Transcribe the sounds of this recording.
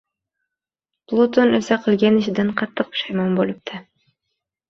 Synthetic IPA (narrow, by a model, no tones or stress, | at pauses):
plˠot̪onøsæqilɡʲeniʃd̪eɴqʰɑt̪ːɯq̚ʃɑjmɑnbolˠup̚t̪ʰɑ